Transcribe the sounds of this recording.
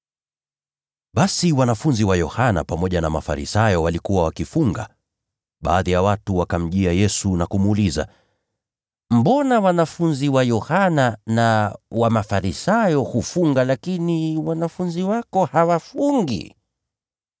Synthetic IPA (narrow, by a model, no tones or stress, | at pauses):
ɓasiwanafunziwajɔhana̰pamɔʄanama̰fa̰ɾḭsajɔwalikuwawakifuŋɡa̰ | ɓa̰ːðijawatuwakam̩ʄiajɛsunakumuːliza̰ | m̩bɔnawanafunziwajɔhananawamafaɾisajɔhufuŋɡalakiniwanafunziwakɔhawafuŋɡḭ